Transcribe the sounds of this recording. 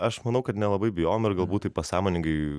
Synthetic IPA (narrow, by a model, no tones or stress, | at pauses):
ɐʃmɐnɐʊkɐt̪nʲɛlˠɐbɐɪbʲɪjoːjomɪrɡɐlˠbuːt̪ɐɪpɐsɑːmoːnʲɪŋɡɐɪ